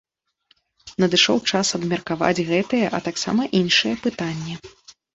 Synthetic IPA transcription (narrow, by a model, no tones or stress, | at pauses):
nɐd̪ɨʂɔwt͡ʂasɐd̪mʲɐrkava̰d͡zʲɣɛt̪ɨjɛʔɐt̪aksa̰mɐʔinʂɨjɛpɨt̪anʲːɛ